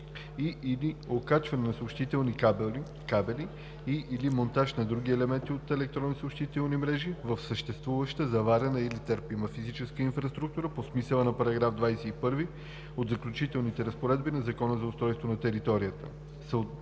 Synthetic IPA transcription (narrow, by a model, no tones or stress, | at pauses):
iiliokat͡ʃvɐnɛnɐspʃt̪it̪ɛlˠni | kabɛli | iʔːlimont̪aʃnɐd̪ɾuɡiɛlɛmɛnt̪iot̪ɛlɛk̚t̪ɾɔnisoʊpʃt̪it̪ɛlˠnimɾɛʒivəfsəʃt̪ɛst̪vuvəʃt̪əzɐvaɾʲɐnəilit̪əɾpiməfizit͡ʃɛskəinfɾɐst̪ɾuk̚t̪uɾəposmisəlˠənɐpɐɾɐɡɾavd̪vajsɛipɤɾvi | od̪zɐklʲut͡ʃit̪ɛlˠnit̪ɛɾəspoɾɛd̪binɐzɐkɔnəzɐʊst̪ɾɔjst̪vonɐt̪ɛɾit̪ɔɾiət̪ə̰ | sə